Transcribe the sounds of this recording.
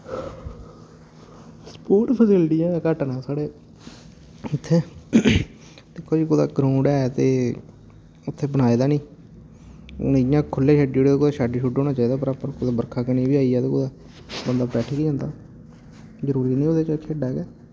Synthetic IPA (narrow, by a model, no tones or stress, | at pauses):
spoːʈpʰəsɪlʈijãkəʈnɛːsaːɽeː | ʊt̪ʰːeː | d̪ɪkʰːoːd͡ʒikʊːd̪a̰ːɡɾaːʊɳɖɛːt̪eː | ʊt̪ʰːeːbəɽ̃aːiːd̪aːnĩː | njãːkʰʊlːeːʃaːɖoːɽeːeːkʊd̪aːʃaːɖiːʃuːʈoːnaːt͡ʃaːiːd̪aːp̬əɾaːpəɾkʊd̪aːbəɾkʰaːkənĩːbiːaːiɛːt̪eːkʊd̪aː | bənd̪aːpɾɛːʈʰiːkiːd͡ʒãːnd̪aː | zəɾuːɾiːnĩːoːd̪eːt͡ʃkʰeːɖaːɛɡɛː